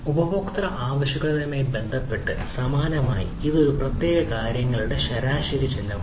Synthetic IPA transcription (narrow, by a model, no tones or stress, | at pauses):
ubɐbokt̪rɐʔaːʋɐɕuɣɐɭɐðumeːbe̞nd̪ʱɐpːe̞ʈːɨsɐmaːnɐma̰ːjiiðɨprɐt̪je̞ːɣɐkaːɾjɐŋːɐɭuɽe̞ɕɐɾaːɕɐɾit͡ɕːinːɐ